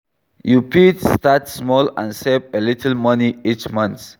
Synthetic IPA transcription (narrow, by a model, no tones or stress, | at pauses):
jupitstatsmɔlã̰nsepelitʰəlmʌniit͡ʃmʌ̃nt̪